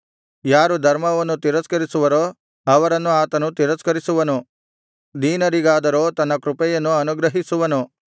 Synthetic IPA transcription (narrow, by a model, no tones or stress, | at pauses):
jaːɾud̪ʱɐɾmɐʋɐnːut̪iɾɐskɐɾisuʋɐɾoː | ɐʋɐɾɐnːuaːt̪ɐnut̪iɾɐskɐɾisuʋɐnu | d̪iːnɐɾiɡaːd̪ɐɾo̞ːt̪ɐnːɐkɾupɛjɐnːuɐnuɡɾɐɦisuʋɐnu